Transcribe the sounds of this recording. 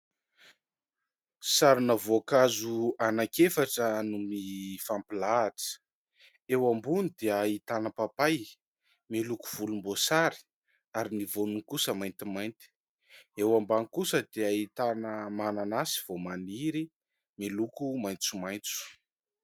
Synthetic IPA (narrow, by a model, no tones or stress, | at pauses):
saɾunavokazuanakefaʈ͡ʂənumifampilaːʈ͡ʂə̥ | ewambunid̪eait̪anəpapaj | melukuv̥ulumbosaɾi̥ | aɾinivonuŋkusəmajnt̪imajnt̪i̥ | ewambaŋkusəd̪eait̪anəmananasi̥v̥omaniɾi | melukumajnt͡sumajnt͡su̥